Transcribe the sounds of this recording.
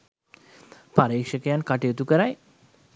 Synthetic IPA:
paɾeːkʃəkejankaʈejot̪ukəɾaj

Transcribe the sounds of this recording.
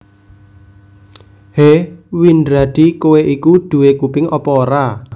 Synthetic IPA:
hewindɾad̪̥ikoweʔikuɖ̥ṳwekupɪŋʔɔpɔːɾa

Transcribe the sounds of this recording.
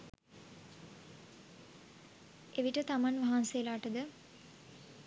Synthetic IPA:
eʋiʈət̪amanʋaɦansejəlaːʈəd̪ə

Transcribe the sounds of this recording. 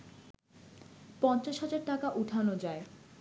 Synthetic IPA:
pɔnt͡ɕaʃɦad͡ʑaɾʈakaʔuʈʰanod͡ʑae

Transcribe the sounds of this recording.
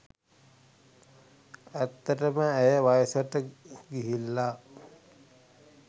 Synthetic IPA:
æt̪ːəʈəməːjəʋajəsəʈəɡiɦilːa

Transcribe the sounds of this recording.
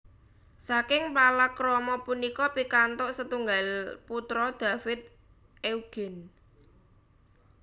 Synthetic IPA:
sakɪŋpalakɾɔmɔpunikɔpikant̪ʊʔsət̪uŋɡalput̪ɾɔd̪̥a̤fɪt̪̚ | ʔeuɡ̥ɪ̤n

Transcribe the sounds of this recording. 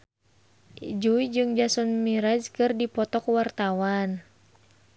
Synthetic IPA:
d͡ʒuid͡ʒɨŋd͡ʒasɔnmiɾad͡ʒkɨrdipɔt̪ɔkwart̪awan

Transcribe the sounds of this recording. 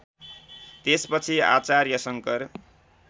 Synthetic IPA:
t̪espʌt͡sʰia̰t͡sarjʌsʌŋkʌr

